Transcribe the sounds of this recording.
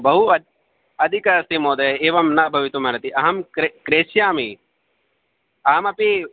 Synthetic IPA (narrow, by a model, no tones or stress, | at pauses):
bɐɦuɐ | ɐd̪ʱikɐsimoːd̪ɐɦeeːʋɐmnɐbʱɐʋit̪umɐɾɐt̪iʔɐɦɐmkekɾeːsjaːmi | ɐɦɐmɐpi